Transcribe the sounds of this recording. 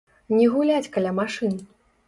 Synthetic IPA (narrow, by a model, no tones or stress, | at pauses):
nʲɛɣulʲat͡sʲkalʲamaʂɨn